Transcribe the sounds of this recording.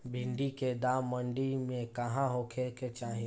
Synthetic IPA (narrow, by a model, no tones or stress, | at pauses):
bʱɪ̃ɳɖiked̪aːmːəɳɖimẽkɐɦãɦokʰeket͡ʃaːɦĩ